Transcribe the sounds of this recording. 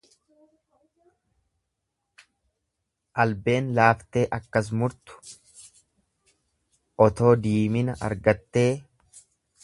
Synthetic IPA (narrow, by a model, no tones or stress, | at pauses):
ʔɐlbe̞ːnlaːft̪e̞ːʔɐkːɐs̬mʊɾt̪ʊ̥ | ʔɔt̪o̞ːd̪iːmɪnɐʔɐ̰ɾɡɐt̪ːe̞ː